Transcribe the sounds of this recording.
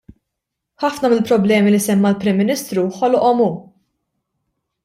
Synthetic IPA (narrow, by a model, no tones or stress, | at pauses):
ħɐfnɐmɪlpɾɔblɛːmilisɛmːɐlpɾɪmːɪnɪst̪ɾuħɔlʔɔmuː